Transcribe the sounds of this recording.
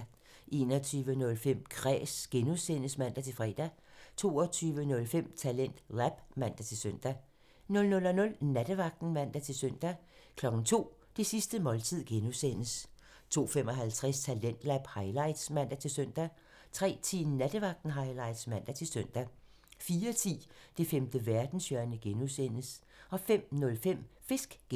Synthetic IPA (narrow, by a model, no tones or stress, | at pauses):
ʔe̝ːnɒ̽t͡sʰyːʋənɔ̽lfem̰kʰʁɛ̰ːsɡ̥enusenəsmæn̰d̥æt͡sʰe̝lfʁɛ̰ːd̥æ | t͡sʰo̝̰ːɒt͡sʰyːʋənɔ̽lfem̰t͡sʰælen̰d̥læb̥mæn̰d̥æt͡sʰe̝lsøn̰d̥æ | nɔ̽lnɔ̽lɒnɔ̽lnæd̥əʋɑ̈ɡ̥̚d̥n̩mæn̰d̥æt͡sʰe̝lsøn̰d̥æ | kʰlɒ̽ɡ̥n̩t͡sʰo̝̰ː | d̥esisd̥əmɒ̽lt͡sʰið̰ˠɡ̥enusen̰əs | t͡sʰo̝̰ːfem̰ɒ̽ɦælt͡sʰʁɛst͡sʰælen̰d̥læb̥hɑ̈ɪlɑ̈ɪ̰d̥smæn̰d̥æt͡sʰe̝lsøn̰d̥æ | t͡sʰʁɛ̰ːt͡sʰḭːnæd̥əʋɑ̈ɡ̥̚d̥n̩ɦɑ̈ɪlɑ̈ɪ̰d̥smæn̰d̥æt͡sʰe̝lsøn̰d̥æ | fiːɐt͡sʰḭːd̥e̝femd̥əʋæɐd̥n̩sjœɐnəɡ̥enusen̰əs | ɒ̽fem̰nɔ̽lfem̰fe̝sɡ̥ɡ̥